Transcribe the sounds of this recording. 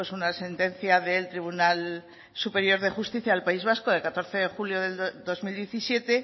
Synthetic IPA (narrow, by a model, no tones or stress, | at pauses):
esunase̞nt̪ẽ̞n̟θjaðe̞lt̪ɾiβ̞unal | supe̞ɾjo̞ɾðe̞xust̪iθjaːlpaizβ̞asko̞ðe̞lkat̪o̞ɾθe̞ðe̞xuljo̞ðe̞ld̪o̞zmild̪je̞θisje̞t̪e̞